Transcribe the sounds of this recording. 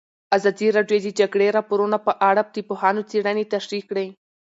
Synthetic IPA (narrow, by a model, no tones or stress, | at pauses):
azɑd̪iɾɑɖjod̪əd͡ʒaɡɽeɾɑpoɾunapəʔaɽap̚t̪ipohɑnot͡seɽanet̪aʃɾikːɽəj